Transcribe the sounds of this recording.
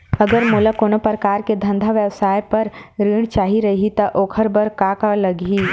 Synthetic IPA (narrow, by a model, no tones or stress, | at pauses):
ɐɡəɾmuːləkoːnopɾəkaːɾked̪ʱɐ̃nd̪ʱaʋjəwsaːjpɐɾɾiːɽ̃t͡ʃaːɦiɾɐɦit̪ɐʔoːkʰəɾbɐɾkaːkalɐɡiː